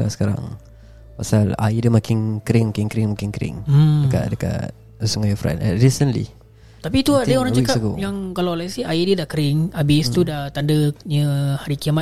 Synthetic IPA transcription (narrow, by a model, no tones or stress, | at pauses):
la̰sə̥kaɾa̰ŋ | pasala̰idəmakɪŋkəɾɪŋmakɪŋkəɾɪŋmakɪŋkəɾɪ̰ŋ̩dəka̰t̚dəka̰t̚ | suŋajɔfɾɛ̰nɛ̰nɾisənlḭ | t̪apit̪uadəoɾaŋt͡ʃakapkojaŋkalawlaisihaidədakəɾɪŋabɪst̪udat̪andəɲəhaɾikiama